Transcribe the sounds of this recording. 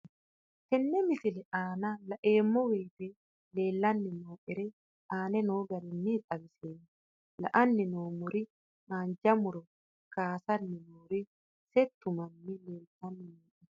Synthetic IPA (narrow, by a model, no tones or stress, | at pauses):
t̪ɛnːɛmɪfɪlɛaːnɐlɐʔe̞ːmːɔweːt̪e | le̞ːlːɐnːɪnoːʔɛɾɛ | aːnɛnoːɡɐɾɪnːɪt̪ʼɐbɪseːn | lɐ̰ʔɐnːɪnoːmʊɾɪ | maːnd͡ʒɐmʊɾɔ | kaːsɐnːɪnoːɾɪ | sɛt̪ːʊmɐnːɪleːlt̪ːɐnːɪnoːɛ